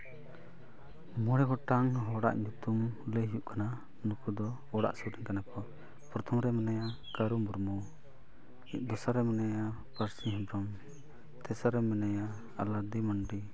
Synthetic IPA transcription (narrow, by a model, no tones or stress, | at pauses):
mɔɽɛɡɔʈaŋɦɔɽa̰ʔɲut̪umləɦjuʔkana | nukud̪ɔ | ɔɽa̰ʔsuɾiɲkanakɔ | pɾɔt̪ʰɔmɾɛmɛnaja | kaɾumuɾmu | ɛʔ̚d̪ɔsaɾɛmɛnaja | paɾsiɦɛmbɾɔm | t̪ɛsaɾɛmɛnajaː | lad̪imaɳɖi